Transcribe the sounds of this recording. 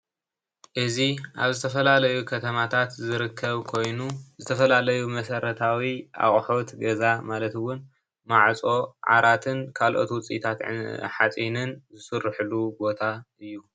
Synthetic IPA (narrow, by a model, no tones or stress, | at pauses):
ʔɨziʔaβzɨt̪ʰɐfɐlalɐjukʰɐt̪ʰɐmat̪ʰat̪zɨɾɨkʰːɐβkʰo̞jnuzɨt̪ʰɐfɐlalɐjumɐsɐɾɐt̪ʰawiʔa̰χʼħot̪ɡɐzamalɐt̪ɨwʊn | maʕt͡sʼo̞ʕa̰ɾat̪ʰɨnkʰalʔo̞̰t̪wʊt͡sʼḭt̪ʰat̪ʕ̰ħat͡sʼinɨnzɨsɨrːɨħɨlubo̞t̪ʰaʔɨjːu